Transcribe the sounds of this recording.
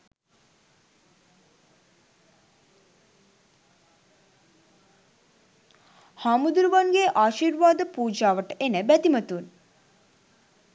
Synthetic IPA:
hamud̪uɾuʋanɡeʔaːʃiɾʋaːd̪əpuːd͡ʒaːʋəʈəʔenəbæt̪imət̪un

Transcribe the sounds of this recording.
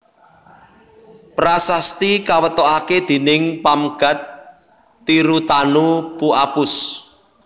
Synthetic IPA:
pɾasast̪ikawət̪oaked̪̥e̤nɪŋpamɡ̥a̤t̪ː | iɾut̪anupuapʊs

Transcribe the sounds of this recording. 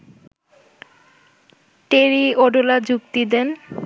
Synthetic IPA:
ʈeɾioɖolad͡ʑukt̪id̪en

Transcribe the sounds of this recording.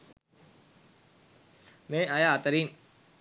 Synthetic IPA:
mẽːajat̪əɾiːn

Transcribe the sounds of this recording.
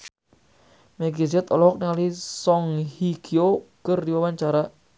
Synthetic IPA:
mɛɡisɛt̪ɔlɔɦɔk̚niŋalisɔŋhiɡʰiokərdiwawaɲt͡ʃaɾa

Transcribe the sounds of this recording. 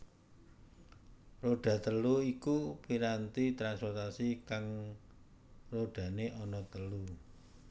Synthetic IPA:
roɖ̥ä̤t̪əluikupiɾant̪it̪ɾanspɔrt̪asikaŋ | roɖ̥ä̤neʔɔnɔt̪əlu

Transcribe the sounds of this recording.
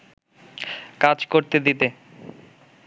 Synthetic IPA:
kad͡ʑkoɾt̪ed̪it̪e

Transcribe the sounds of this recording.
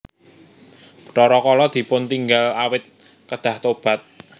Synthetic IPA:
b̥ə̥ʈɔɾɔkɔlɔd̪̥i̤pʊnt̪iŋɡalawɪt̪̚ | kəd̪̥ä̤ht̪ob̥a̤t̪̚

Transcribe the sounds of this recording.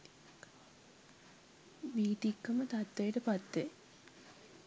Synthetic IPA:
ʋiːt̪ikːəmət̪at̪ːejəʈəpat̪ːe

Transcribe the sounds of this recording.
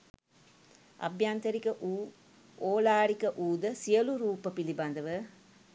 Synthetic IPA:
ɐ̰bjaːnt̪ɐɾikɐʔuː | oːlaːɽikɐʔuːd̪ɐsijɐluɾuːpəpiliband̪ɐʋə

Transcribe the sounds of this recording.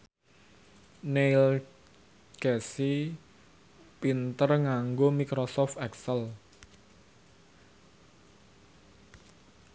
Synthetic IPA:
neil | ɡ̥ɛsi | pint̪ərŋaŋɡomikɾosɔft̪ɛksəl

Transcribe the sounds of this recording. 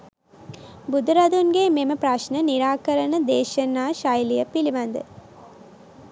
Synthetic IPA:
bud̪uɾɐd̪unɡeːmeməpɾɐʃnəniɾaːkəɾənəd̪eːʃɐnːaːʃajlijəpiliʋɐnd̪ə

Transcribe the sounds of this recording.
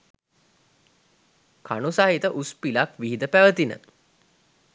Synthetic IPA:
kʰa̰nusaɦit̪əʔuspilakʋiɦid̪əpæʋət̪inə̰

